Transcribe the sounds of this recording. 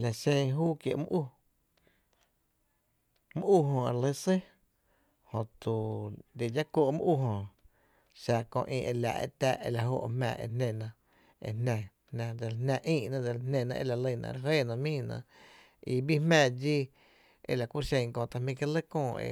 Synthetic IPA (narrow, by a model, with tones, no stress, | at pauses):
la˨ʃẽ˧ɦuː˦kje˧ʔmũ˦ʔu˦ | mũ˦ʔu˦˨ɦõ˧e˧˨le˦se˦ | hõ˨t̪u˨d̪e˨d͡ʒa˦kʷo˧˨ʔmṵ̃˦ʔu˦˧˨ɦõ˧˨ | ʃa˧kõ̰˧ʔĩ˧ʔe˧la̰˨ʔḛ˧t̪aː˧˨ʔe˧˨la˧˨ɦo̰˧ʔmɛ̰̃˧˨ʔḛ˧nnẽ˧nã˧ | ḛ˧nnã˧ | nnã˧d̪e˨lnnã˧ʔĩː˦˧ʔnã˦˧d̪e˧˨lnnẽ˧˨nã̰˧ʔe˧˨la˧˨lə˧˨nã̰˧˨˧ɾe˧ɦe˦˨nã˧mĩː˦nã̰˧˨ | i˧bi˦hmɛ̃ː˧˨d͡ʒi˦ | ḛ˧˨la˨kʷu˦ʔʃẽ˧ŋ˧kõ˧t̪a˧mĩ˧ke˧˦lə˦kõː˧˨ḛ˧˨